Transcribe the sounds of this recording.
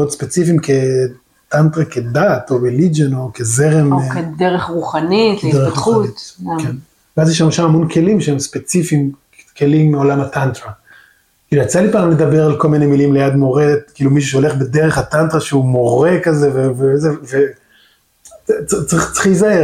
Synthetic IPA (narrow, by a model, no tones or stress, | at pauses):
odspe̞t͡sifimke̞ | t̪antʁaked̪at̪o̞belid͡ʒeno̞kezeʁemked̪eʁeχʁuχanideeuitken | veazjeʃamoʃamamo̞nkʰe̞limʃeemspet͡sifim | ke̞limːeo̞lamatant̪ʁa | kiːluat͡salipaːmled̪abeʁalko̞lminemilimlejad̪mo̞ʁekiːlumiʃ̬uʃeole̞χbedeʁeχhat̪ant̪ʁaʃeumo̞ʁekazevevezeve | t͡st͡saʁiχt͡si̥χijzahe